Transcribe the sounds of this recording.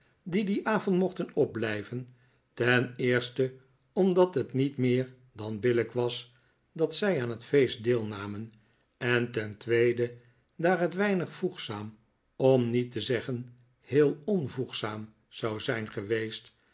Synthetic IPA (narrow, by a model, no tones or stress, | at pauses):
didiʔaːvɔntmɔχtənɔb̚blɛjvən | tɛnɪːɹstə | ɔmdɑtɦətnitmɪːɹ | dɑnbɪləkʋɑs | dɑtsɛjaːnɦətfejstdɪːlˠnaːmən | ɛntɛntʋejdə | daːɹɦətʋɛjnəχfuχsaːm | ɔmnitəzɛχən | hɪːlˠɔnvuχsaːm | z̥ɑwzɛjnχəʋejst